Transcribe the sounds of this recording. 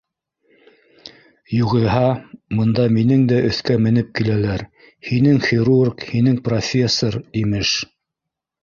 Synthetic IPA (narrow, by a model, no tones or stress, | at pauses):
juʁɤ̆ɦɑmɤ̆nd̪ɑminɘŋd̪æʔɵ̆θkæmɘ̆n̪ɘp̚kilælæɾ | hinɘŋχʲiɾurkhinɘŋprofʲe̞sːoɾimɘʃ